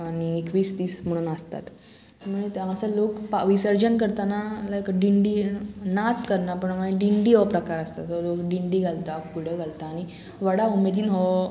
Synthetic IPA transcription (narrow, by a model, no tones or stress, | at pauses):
aɽ̃iekʋiːsd̪iːsm̤əɽ̃uːnəst̪a̰t̪ | m̤ə̃et̪ãəsəlokpaʋisəɾd͡ʑənkəɾt̪analaekɖiɳɖiːnat͡skəɾnapəɳmaiɖiɳɖiːɦɔpɾəkaɾəst̪at̪ɦɔlokɖiɳɖiːɡʱalt̪akuɽ̤eɡʱalt̪aːɽ̃i | ʋəɽaumed̪ʱiːnɦɔ